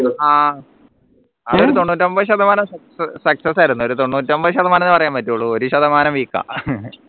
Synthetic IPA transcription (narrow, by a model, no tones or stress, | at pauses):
aː | ɐoɾut̪o̞ɳːuːt̬ːɐmbɐðɕ̬ɐd̪ɐmaːnɐmsɐsɐsɐksɐsaːjiɾunːuo̞ɾut̪o̞ɳːuːtːɐmbɐðɨɕɐðɐmaːnɐenːɨpɐrɐjaːmɐtːuɭːuoɾuɕɐðɐmaːnɐmʋiːkːa̰